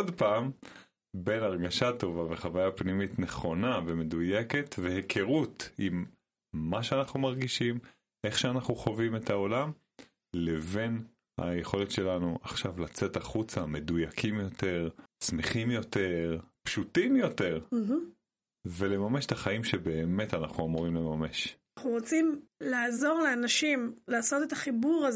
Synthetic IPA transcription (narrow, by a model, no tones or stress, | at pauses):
odpaːm | be̞naʁɡaʃat̪o̞vaveχavajapnimit̪ne̞χo̞naveme̞duje̞ke̞tvehekʰe̞ʁut̪imː | aʃeanaχnumaʁɡiʃim | ʔe̞χʃeanaχnuχo̞vime̞t̪ʰao̞lam | le̞ve̞n | ha̰je̞χo̞letʃe̞lanuʔa̰χʃavlat͡se̞taχut͡same̞dujakʰimjo̞te̞ʁsmeχimjo̞te̞ʁpʃutimjo̞te̞ʁ̩ɦ | ve̞le̞mameʃtaχaimʃebe̞ːme̞tanaχnuamuʁimle̞mame̞ʃ | aχnuʁot͡simlaːzo̞ʁleanaʃimlaːso̞t̪etaχibuʁaz